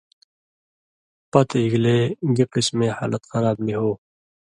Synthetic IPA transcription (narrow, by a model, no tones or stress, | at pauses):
pɐt̪iɡleːɡiqismẽːha̰ːlɐt̪xɐɾaːbniɦoː